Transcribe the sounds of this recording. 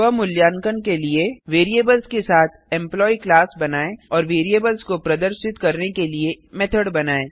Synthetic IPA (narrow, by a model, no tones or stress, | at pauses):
əmʊljaːŋkənkelieʋeːɾieːbəlzkesaːt̪ʰɛ̃mplɔːiklaːsbɐnaːeɔːɾʋeːɾijeːbəlzkopɾɐd̪əɾʃɪt̪kɐɾnekeliemɛt̪ʰəɽbɐnaːeː